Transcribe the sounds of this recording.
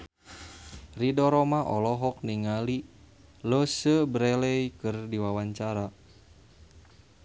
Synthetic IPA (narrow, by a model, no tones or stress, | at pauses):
ridɔɾɔmaʔɔlɔɦɔk̚niŋali | lɔsəbɾɛlɛjkɨrdiwawaɲt͡ʃaɾa